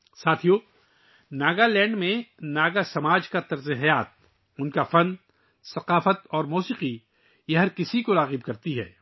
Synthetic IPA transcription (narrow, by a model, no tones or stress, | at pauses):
saːt̪ʰijoː | naːɡalɛ̃ːɳɖmẽnaːɡasɐmaːd͡ʒkat̪ɐɾziɦjaːt̪̚ | ʊnkafɐ̃nd̪ | sɐqaːfət̪ɔːɾmuːsiːqi | jɐɦɐɾkɪsikoɾaːɣɪb̚kɐɾt̪iɦɛː